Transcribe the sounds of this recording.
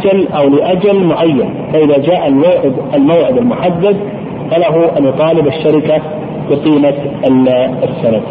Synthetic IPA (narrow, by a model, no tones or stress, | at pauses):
d͡ʒalʔawlɪʔad͡ʒalmʊʕajːan | faʔɪðad͡ʒaːʔalmaʕɪd̪almawʕɪd̪almʊħad̪ːad̪ | falaɦuʔanjʊt̪ˤɑːlɪbaʃːaɾɪka | bɪqiːma | sːanaf